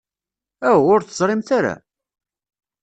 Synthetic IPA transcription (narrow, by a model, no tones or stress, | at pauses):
æwʊɾθəzˤɾˤɪmt̪aɾa̰